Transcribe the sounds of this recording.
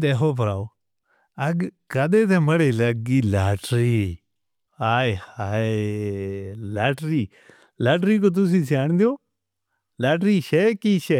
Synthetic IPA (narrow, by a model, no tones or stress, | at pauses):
d̪eːkoːpəɾa̰ːoː | əɡkəd̪eːt̪̬eːməɽeːləɡiːlaːʈɾiː | aːehaː | laːʈɾiː | laːʈɾiːk̬oːt̪̬ʊs̬ĩːsaːɳd̪ɪjoː | laːʈɾiːʃeːkiːʃeː